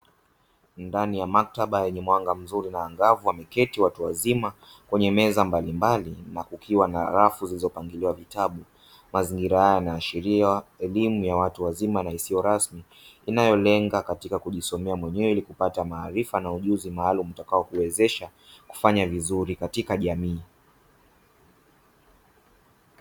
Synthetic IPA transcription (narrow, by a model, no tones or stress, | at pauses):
ndanijamak̚taɓajɛɲɛmwaŋɡam̩zuɾinaːŋɡavuwamɛkɛtiwatuwazima | kwɛɲɛmɛzambalimbalinakukʰiwana̰ɾafuzilizɔpaŋɡiliwavitaɓu | maziŋɡiɾahajanaːʃiɾiaɛlimujawatuwazimanaisijɔɾasmi | inajɔlɛŋɡakatikakuʄisɔmɛamwɛɲɛwɛilikupatamaːɾifanauʄuzimaːlum̩takaɔkuwɛzɛʃa | ku̥faɲavizuɾikatikaʄamiː